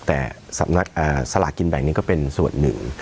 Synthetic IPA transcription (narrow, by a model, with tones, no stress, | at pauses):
t̪ɛ˧˨˩ | sa̰˧˩na˦˥k̚ʔəː˧˩saː˧la̰ː˧˩ki˧nɓɛ̰˧˩ŋːni˧kɔ˨˦pe˧nsṵ˧˩ənːɨ̰˧˨˦ŋ